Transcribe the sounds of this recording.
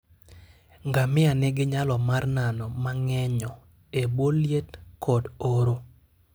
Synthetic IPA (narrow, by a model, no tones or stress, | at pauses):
ŋɡamɪanɪɡɪɲalɔmarnanɔmaŋɛɲɔ | eboljetkɔdoɾo